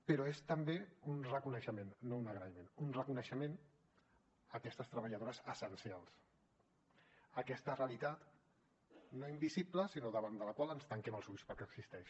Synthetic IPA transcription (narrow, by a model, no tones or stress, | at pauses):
pəɾɔest̪əmbeunrəkunəʃəmenːounəɣɾəimenunrəkunəʃəmen | əkɛst̪əst̪ɾəβəʎəð̞oɾəzəsənsialˠs | əkɛst̪əreəlit̪at̪ | noimbizipləsinoðəβ̞and̪ələkwalˠənst̪əŋkɛməlˠzuʎspəɾkɛəksist̪ɛʃ